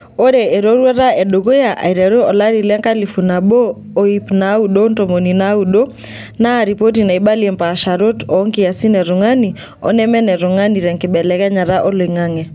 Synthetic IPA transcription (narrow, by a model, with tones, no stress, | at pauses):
o˦ɾɛ˨e˨ɾo˦ɾwɛ˦ɾa˦ɛ˨ɗo˨ɣo˦ja˨ʔa̰˨i˨ɾɛ˨ɾo˦ɔ˨la˦ɾi˨lɛ˦ŋka˦li˨fu˨na˨ɓoː˦ | ipna˨˦uɗo˦nto˨mo˨nina˦uɗo˦ | na˦ɾi˨po˦tina˨iɓa˦liɛ˨mpa˨ʃa˨ɾo˦tɔː˨˦ŋki˦ja˨si˦nɛ˨ɾo˨ŋa˦ni | ɔ̰˦nɛ˦mɛ˦nɛ˨ɾo˨ŋa˦ni˨ɾɛ˨ŋkɪ˨ɓɛ˨lɛ˨kɛ˦ɲa˨ɾa˦ʔɔ˦le˨ŋa˦ŋɛ˨